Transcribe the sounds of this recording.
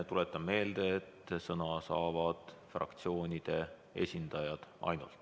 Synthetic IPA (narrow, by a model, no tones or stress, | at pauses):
t̪ule̞t̪ːˑɑmːe̞ːld̪̥e̞ːt̪ːsɤnɑsɑːvɑd̪̥frɑ̰kt̪sio̞ːnʲid̪̥e̞ | e̞̰sʲind̪̥ɑjɑd̪̥ɑ̰jnṵlt̪